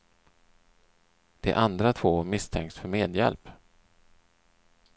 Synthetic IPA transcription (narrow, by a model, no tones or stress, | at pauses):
d̪̥ɛ̰ʔand̪ɾat̪ʰvoːmɪst̪ʰɛŋk̪sfœɾmeːd̪jɛ̰lp